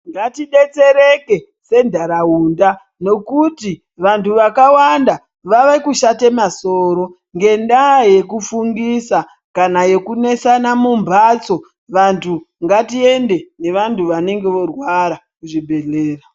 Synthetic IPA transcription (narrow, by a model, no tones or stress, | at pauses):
ŋɡatiɗe̞t͡se̞ɾeke̞ | se̞ndʱaɾaɦuːnda | no̞kuti | ʋantʰuʋakawanda | ʋaʋekuʃatemaso̞ːɾo̞ | ŋɡe̞ndaje̞kufuŋɡisa | kanaje̞kune̞sanamumbʱat͡so̞ | ʋantʰu | ŋɡatie̞nde̞ne̞ʋantʰuʋane̞ŋɡe̞ʋo̞rwaɾa | kuʐibʱe̞ɮeːra